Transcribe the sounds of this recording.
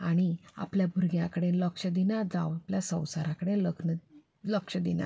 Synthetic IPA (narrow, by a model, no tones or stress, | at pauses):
aɽ̃ia̰pljabʱuɾɡjãkəɽenləkʂəd̪inad͡za̰wapljasə̃w̃saɾãkəɽeləɡnə | ləkʂəd̪ina̰